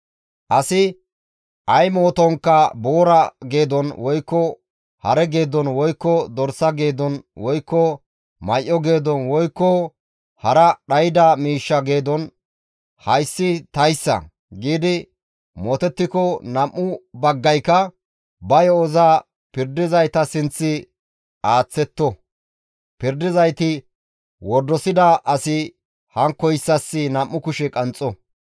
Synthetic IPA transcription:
ʔɐsɪ | ʔɐjmo̞ːt̪ɔŋkːɐbo̞ːɾɐɡe̞ːd̪ɔnwɔjkːɔ | hɐɾɛɡe̞ːd̪ɔnwɔjkːɔd̪ɔɾsɐɡe̞ːd̪ɔnwɔjkːɔ | mɐjʔːɔɡe̞ːd̪ɔnwɔjkːɔ | hɐɾɐɗɐjɪd̪amiːʃːɐɡe̞ːd̪ɔn | hɐjsːɪt̪ɐjsːɐ̰ | ɡiːd̪ɪ | moːt̪ɛt̪ːɪkɔnɐmːʊbɐɡːɐjkːɐ | bɐjɔɔzaː | pɪɾd̪ɪzɐjt̪ɐsɪnt͡sːɪ | aːt͡sːɛt̪ːɔ | pɪɾd̪ɪzɐjt̪ɪ | wɔd̪ːɔsɪd̪ɐʔɐsɪ | hɐŋkːɔjsːɐsːɪnɐmːʊkʊʃɛkʼɐnt͡sʼːɔ

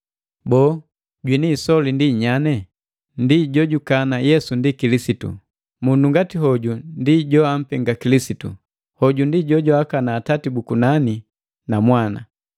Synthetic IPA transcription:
bɔː | ɟwinisɔlindiɲanɛ | ndiɟɔɟukanajɛsundikilisitṵ | munduŋɡatiɦɔɟundiɟɔam̩pɛŋɡakilisitṵ | hɔɟundiɟɔɟɔakanaːtatibukunani | namwana̰

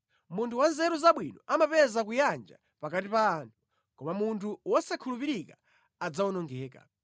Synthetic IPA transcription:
muntʰuwanzɛɾuzaɓwinɔ̰ʔamapɛzak̬ujand͡ʒa̰ | pakatipaːntʰu̥ | kɔmamuntʰuwɔsakʰulupiɾika | ad͡zawunɔŋɡɛːka̰

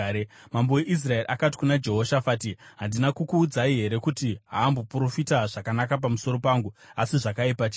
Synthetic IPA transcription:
mambo̞weʔis̬rae̞riʔakati̥kunad͡ʒe̞ɦo̞ʃafaːtiɦandinakukuːd͡zaiɦe̞ɾe̞kutiɦaːmbo̞puro̞fitaʐ̥akanakap̬amuso̞ɾo̞paːŋɡuasiʐakaipat͡ʃi

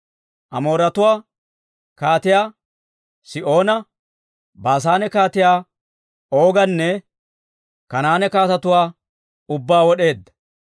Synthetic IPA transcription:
ʔɐmo̞ːɾɐt̪ʊwaː | kaːt̪ɪjaː | sɪʔo̞ːnɐ | baːs̬aːnɛkaːt̪ɪjaː | o̞ːɡɐnːɛ | kɐnaːnɛkaːt̪ɐt̪ʊwaː | ʊbːaːwɔɗe̞ːd̪ːɐ̥

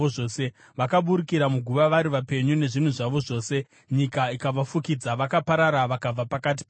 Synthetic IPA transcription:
oo̞ːse̞ | ʋakaɓuɾikiɾamuɡʱuʋaʋaɾiʋape̞ɲune̞ʐin̤uʐaʋo̞ʐo̞ːse̞ | ɲikaikaʋafukid͡zaʋakapaɾaɾaʋakab͡vapakat̬i̥p

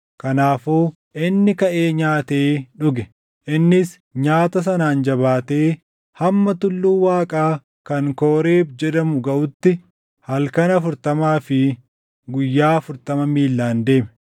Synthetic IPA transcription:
kɐnaːfoː | ʔɪnːɪkɐʔe̞ːɲaːt̪e̞ːᶑʊɡɛ | ʔɪnːɪs | ɲaːt̪ɐs̬ɐnaːnd͡ʒɐβaːt̪eː | hɐmːɐt̪ʊlːuːwaːkʼaː | kɐŋkoːɾe̞ːbd͡ʒɛd̪ɐmʊɡɐʔʊt̪ːɪ | hɐlkɐnɐfʊɾt̪ɐmaːfɪ | ɡʊjːaːfʊɾt̪ɐmɐmiːlːaːnd̪e̞ːmɛ̥

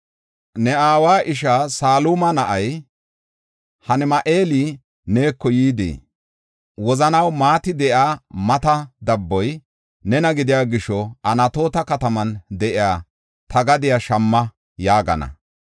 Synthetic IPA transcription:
nɛaːwaːʔɪʃ̬aːsaːlumɐnɐʔɐj | hɐnɛmɐʔe̞ːli | ne̞ːkːɔjiːd̪ḛː | wɔzɐnɐwmaːt̪ɪd̪ɛʔaːmɐt̪ɐd̪ɐbːɔj | nɛnɐɡɪd̪ɪjaːɡɪʃɔʔɐnɐt̪o̞ːt̪ɐkɐt̪ɐmɐnd̪ɛʔɪjaː | t̪ʰɐɡɐd̪ɪjaʃɐmːɐ | jaːɡɐ̰nɐ̰

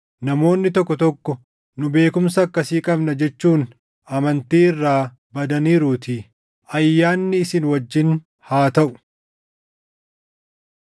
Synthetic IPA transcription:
nɐmo̞ːnːɪt̪ɔkːɔt̪ɔkːɔ | nʊbe̞ːkʊmsɐːkːɐsiːkʼɐbnɐd͡ʒɛt͡ʃːuːn | ʔɐmɐnt̪iːɪrːaː | bɐd̪ɐniːɾuːt̪ɪ | ʔɐjːaːnːɪːsɪnwɐd͡ʒːɪn | haːt̪ɐʔʊ̥

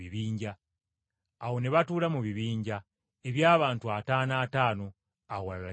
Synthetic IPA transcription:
iβiːɲɟaː | wo̞neβatuːlamuβiβiːɲɟa | e̞βjaːβaːntuataːnaːtaːno̞ | awalala

